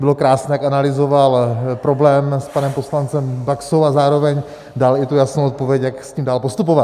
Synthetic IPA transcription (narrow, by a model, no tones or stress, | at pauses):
bɪlo̞kɾaːsnɛːjakanalɪzo̞valpɾo̞blɛːmspanɛmpo̞slant͡sɛmbaksowazaːɾo̞vɛɲ | dalɪt̪ujasnowʔot̪̚po̞vjɛcjaksciːmdaːlpost̪upovat̪